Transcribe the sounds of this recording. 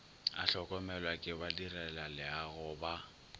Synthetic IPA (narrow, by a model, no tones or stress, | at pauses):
a̰ɬɔkʼɔmɛlwakʼɪbadirɛlalɪaɣʊba